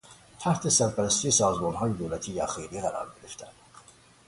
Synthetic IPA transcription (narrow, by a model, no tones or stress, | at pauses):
t̪ʰæht̪ʰe̞sæɾpæɾæst̪ʰijesɒːzmɒːnɦɒːjed̪oːlæt̪ʰiːjæxiːɾiːɣæɾɒ̰ːɾɟe̞ɾeft̪ʰæn